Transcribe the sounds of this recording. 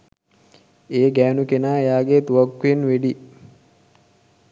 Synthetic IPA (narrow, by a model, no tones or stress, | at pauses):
eːɡæːnukenaːejaːɡet̪uʋakːuenʋeɖi